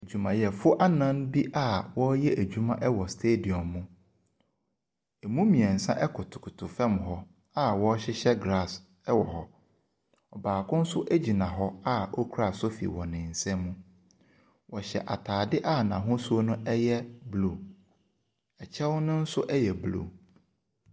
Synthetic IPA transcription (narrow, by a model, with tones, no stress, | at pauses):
e˨d͡ʑu˨mã̰˨jɛ˨fʊ˦ʔa˦nã˦n˦bi˦ʔa˦˨wɔ˦jɛ˦ʔæ˨d͡ʑᶣu˦mã˦ʔɛ˦wɔ˨stʰe˦di˨ɔ̃˨mːũ˦ | e˨mũ˦mĩ˨ɛ̃˨n̩˨sã̰˦ʔɛ˦kʰʊ˨tʰʊ̥˨kʰʊ˨tʰʊ˨fɛ̃˦˨mɦɔ˦ | a˦wɔ˦ɕɛ˦ɕɛ˦ɡɾa˦˨s | ɛ˦wɔ˨ɦɔ˦ | ɔ˨baː˨kʰʊ̃˦n̩˦sʊ˦ʔæ˦d͡ʑi˨nã˨ɦɔ˦a˦ɔ˦kʰɾa˨sʊ˦fḭ˨wɔ̃˨nɪ̃˨n̩˨sɛ̃˦mːũ˦ | wɔ˨ɕɛ̰˨ʔa˨tʰaː˨dɪ˦ʔa˦˨nã˨ɦʊ̃˦su˦o˦nʊ̃˦ʔɛ˦jɛ˦blo˦˨ | ɛ˨t͡ɕʰɛ˦wʊ˦nʊ̃˦n̩˦sʊ˦ʔɛ˦jɛ˨blo̰˨